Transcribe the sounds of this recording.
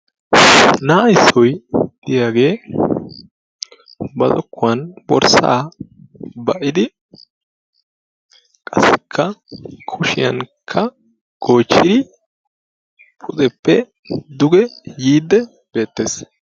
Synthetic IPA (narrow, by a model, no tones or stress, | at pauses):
naːɐjsːɔjd̪ɪjaːɡe̞ː | bɐzɔ̰kːʊwɐnbɔ̰ɾsa̰ː | bɐʔɪd̪ɪ | kʼɐsːɪkʰːɐkʰʊʃɪjɐnkʰːɐ | ɡ̥o̞ːt͡ʃːɪd̪ɪ | pʰʊzɛpːɛ | d̪ʊɡɛjiːd̪ːɛ | b̥e̞ːt̪ːeːs